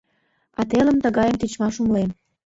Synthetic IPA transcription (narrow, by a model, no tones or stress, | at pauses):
ɑt̪eləmt̪əɣɑjəmt̪it͡ɕmɑʃumlem